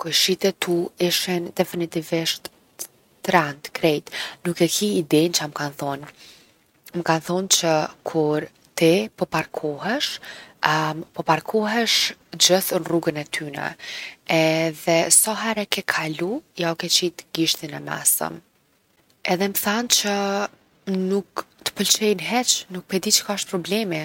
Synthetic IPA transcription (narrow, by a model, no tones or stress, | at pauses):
kɔjʃit̪ɛt̪uiʃɛnd̪ɛfinit̪iviʃt̪ | t̪ɾɛnt̪kɾɛjt̪nukɛkʰiːd̪ɛnt͡ʃaməkanθɔn | məkanθɔnt͡ɕəkʰuɾ | t̪ipɔpaɾkʰɔɦɛʃ | pɔpaɾkʰɔɦɛʃd͡ʑəθənruɡənɛt̪ʰynɛ̰ɛðɛsɔɦɛɾɛkɛkʰalujawkɛt͡ɕit̪ɡiʃt̪inɛmɛ̰sə̰m | ɛðɛməθant͡ɕə | nukt̪ə̥pəlt͡ʃɛjnɦɛt͡ʃnuk̚pɛd̪it͡ʃə̥kaʃt̪̚pɾɔblɛmi